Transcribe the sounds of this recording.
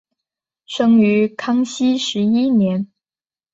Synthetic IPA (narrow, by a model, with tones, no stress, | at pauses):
ʂɤ˥ŋy˧˥kʰɑ˥ŋɕi˥ʂɻ̩˧˥i˥njɛ˧˥n